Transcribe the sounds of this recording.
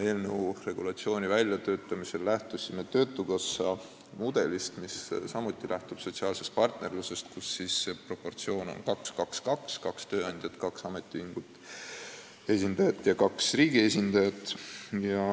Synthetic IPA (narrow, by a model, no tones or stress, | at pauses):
e̞ːlnewure̞ɡ̥ulɑt̪sio̞ːnʲivælʲːjɑt̪ø̞ːt̪ːˑɑmise̞lːæht̪usʲimet̪ø̞ːt̪ːˑuɡ̥ɑsːɑ | mud̪̥e̞list̪missɑmut̪ʲːˑilʔæht̪ub̥so̞t̪ʲsiɑːlse̞st̪̚pɑrt̪ne̞rluse̞st̪kusːiːsːepro̞po̞rt̪sio̞ːno̰nkɑkskɑkskɑkskɑkst̪ø̞ːɑnʲd̥̪jɑt̪kɑksɑme̞t̪ːˑiiŋɡ̥ut̪ːˑ | e̞sʲind̪ɑjɑt̪ːˑjɑkɑksriːɡie̞sʲind̪̥ɑjɑt̪ˑjɑ